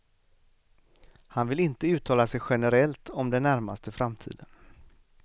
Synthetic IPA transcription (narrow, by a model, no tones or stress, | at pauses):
hanvɪlɪnt̪əʉ̟ːt̪ʰɑːlasɛjɧɛnəɾɛlt̪ʰɔmd̪ɛnːæɾma̰st̪ʰəfɾamt̪ʰḭːd̪ən